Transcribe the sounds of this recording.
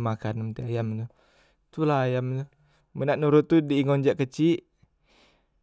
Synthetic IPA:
makanmət̪iajamt̪u | t̪ulaajamt̪u | mənaʔnuɾʊt̪ːudiːŋɔnd͡ʒaʔkət͡ʃiʔ

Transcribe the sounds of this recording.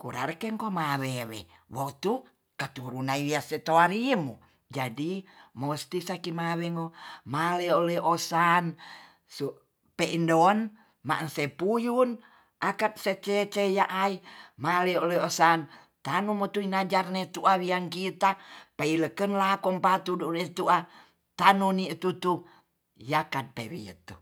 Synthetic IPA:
kṵɾa̰rkeŋkomawewɛ̰wot̪u | kat̪uɾunaiwiaset̪oaɾimu | d͡ʒadimost̪isakimawɛŋomalɛolɛosan | su | peʔindɔn | ma̰ʔnsepujun | ʔakat̪̚set͡ʃet͡ʃejaʔaimaleoleosan | t̪anumot̪uinad͡ʒarnet̪uʔawiaŋkit̪apeiləkənlakɔŋpat̪uduʔnet̪uʔa | t̪anunit̪ut̪u | jakat̪̚pewḭə̰t̪u

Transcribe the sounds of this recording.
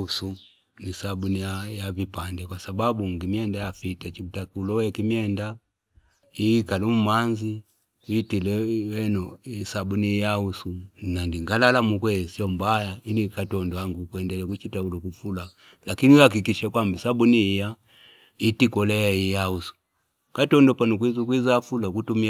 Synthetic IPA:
usu | nisabunijajavipandɛkwasababuŋɡimiɛndajafitat͡ʃiutakulɔwɛkimjɛnda | ikalum̩manzi | witilɛwɛnɔisabunijausunandiŋɡalalamukwɛsiɔmbajailikatɔndɔaŋɡukwɛndɛlɛkut͡ʃitaulɔkufula | lakinihakikiʃakwambisabunija | itikɔlɛaijausu̥ | katɔndɔpanukwizukwizaafulakutumi

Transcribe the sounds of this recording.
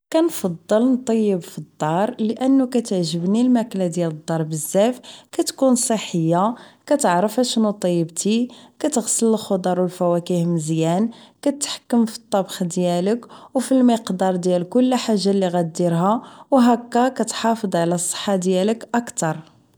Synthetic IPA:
kænfɑd̪ˤːəlnt̪ˤːɑjːəbfid̪ˤːɑɾˤləʔənːukæt̪əʕʒəbnilmæklæd̪jæləd̪ˤːɑɾˤbəzːæfkæt̪kunsˤəħəjːakæt̪əʕɾəfæʃnut̪ˤɑjːəbt̪ikæt̪əɣsələlxod̪ˤɑɾˤwəlfæwækihməzjænkæt̪ħkːəmfi̥t̪ˤːɑbxd̪jæləkwfilməqd̪ɑɾˤd̪jælkʊlːħaʒːalːiɣæd̪iɾɦæwɦækːækæt̪ħɑfəd̪ˤʕlæsˤːə̥ħːad̪jæləkʔəkt̪ɑɾˤ

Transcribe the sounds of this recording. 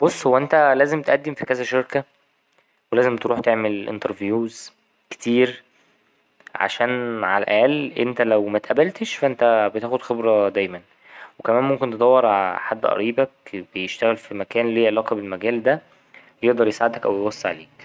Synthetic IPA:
b̥osˤːhowːæʔent̪ælæːzemt̪eʔæd̪ːemfikæzæʃeɾkæ | welæːzemt̪eɾuːħt̪eʕmelʔḛnt̪ɑɾvjuːz | ke̥t̪iːɾ | ʕa̰ʃæːnʕa̰læʔææːlʔent̪ælæwmæt̪ʔæbælt̪eʃfæʔent̪æbet̪æːxod̪xebɾɑd̪æjmæn | wekæmæːnmomkent̪ed̪ˤɑwːeɾˤʕ̰ħad̪ːʔɑ̰ɾiːbækb̥ejeʃt̪æɣælfimækæːnleːʔelɑːqɑbelmæɡæːld̪æ | jeʔd̪ɑɾˤjesʕed̪hækʔæwjewɑsˤːɑʕa̰leːk

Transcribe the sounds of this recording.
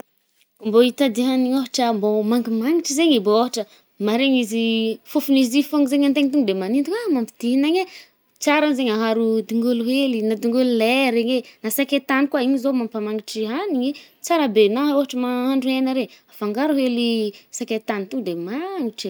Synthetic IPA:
mboit̪ad̪iɦaniɲoɦaʈ͡ʂəmbomaŋɡimaŋiʈ͡ʂizeɲibooɦaʈ͡ʂə | maɾeɲizifufunizifoŋizeɲant̪eɲit̪uŋɡud̪emanint̪ukamampid̪̥iɦinaɲe | t͡saɾanzeɲaɦaɾud̪iŋɡuluɦelinad̪iŋɡululeɾeɲenasakʲet̪anikwaiɲizomampamaŋiʈ͡ʂiɦaniɲi | t͡saɾabenaoɦaʈ͡ʂəmaɦaɳɖ͡ʐuenaɾeafaŋɡaɾuɦelisakʲet̪anit̪uŋɡd̪emaŋiʈ͡ʂ

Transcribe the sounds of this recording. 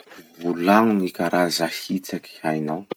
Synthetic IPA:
vulaŋunikaɾʔazahit͡saki̥ajnaw

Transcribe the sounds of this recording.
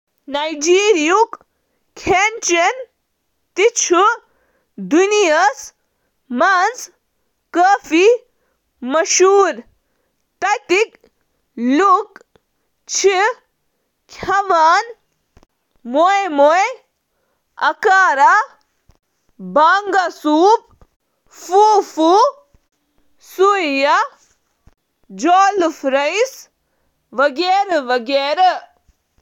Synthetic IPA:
najd͡ʒiːɾijuk | kʰent͡ʃen | t̪it͡ʃʰu | d̪unijɐs | mɐnz | kəːfi | mɐʃuːɾ | t̪ɐt̪ik | luk | t͡ʃʰi | kʲʰɐʋaːn | moemoe | ɐ̰kaːɾa | baːŋɡasuːp̚ | fuːfuːp̚ | suja | d͡ʒoːlfɾɐjs | ʋɐɡeːɾʋɐɡeːɾ

